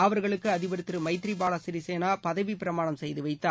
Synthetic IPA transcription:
ɐʋɐɾɣɐɭɯkːɯɐðɪbɐɾɯt̪ːɾɯmɐɪt̪ːɪɾibaːɽɐsɪɾiseːnaːpɐðɐʋipɪɾɐmaːɳɐmsɛjðɯʋɐɪt̪ːaː

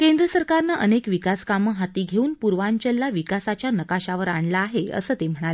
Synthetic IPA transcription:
kend̪ɾəsəɾkaɾnaʔənekʋikaskaməɦat̪iːɡʱeuːnpuɾʋaɲt͡ɕəlːaʋikasat͡ɕjanəkaɕaʋəɾaɳlaːɦeə̰səːt̪em̤əɽ̃ale

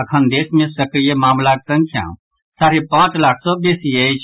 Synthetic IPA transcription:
əkʰənd̪eːsmẽsəkɾijemaːmlaksə̃ŋkʰjã̰ | saːɾepãːt͡ʃlak̚ʰsɔ̃besiəjt͡ʃʰ

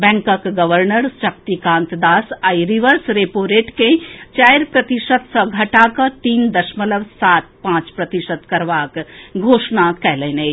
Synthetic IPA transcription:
bɛ̃ŋkəkɡəʋəɾnəɾʃək̚t̪ikãnt̪d̪asajɾiʋəɾsɾepoɾeʈkẽt͡ʃajɾpɾət̪isət̪sə̃ɡʱəʈakə̃t̪iːnd̪əʃmələbsat̪̚pãt͡ʃpɾət̪isət̪kəɾʋakɡʱosnakɛlɛne

